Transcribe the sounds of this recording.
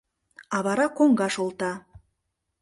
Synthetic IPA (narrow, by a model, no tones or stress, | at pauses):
ɑβɑɾɑkoŋɡɑʃolˠt̪ɑ